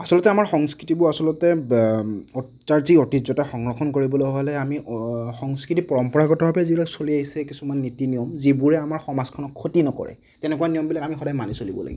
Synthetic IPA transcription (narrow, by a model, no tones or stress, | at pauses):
asɔlɔtɛamaɹxɔŋskɹitibʊasɔlɔtɛ | ɔ | taɹziotizɔtaxɔŋɹɔxʰɔnkoɹibɔlojɦɔlɛamixɔŋskɹitipɔɹɔmpɔɹaɡɔtɔbʱabɛzibilaksoliaɦisɛkisumanːitinijɔmzibuɹɛamaɹxɔmaz̥kʰɔnɔkʰːotinɔkɔ̰ɹɛ̰ | tɛnɛkuwanijɔmbilakamixɔdajmanisolibɔ̰la̰ɡḭ